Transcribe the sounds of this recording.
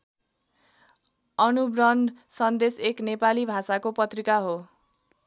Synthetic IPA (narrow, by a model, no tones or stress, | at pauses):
ʌnubrʌnsʌnd̪eseknepalibʱasakopʌt̪rikaɦo